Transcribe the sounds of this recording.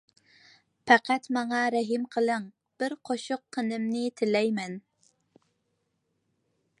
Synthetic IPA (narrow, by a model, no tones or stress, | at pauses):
pɑqæt̪mɑŋɑɾɛɦimqʰəlˠɨŋ | b̥ɪɾqʰoʃʊqʰːənɪmnɪt̪ʰɪlɛjmɛn